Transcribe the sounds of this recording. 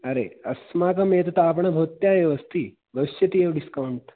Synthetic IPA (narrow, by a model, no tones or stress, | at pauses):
ɐɾḛɐsmaːkɐmeːt̪ɐt̪aːp̬ɐɳɐbʱɐːt̪jaːɐʋɐst̪ʰi | ʋɐʋisjɐt̪ijeʋɖiskɐwɳʈ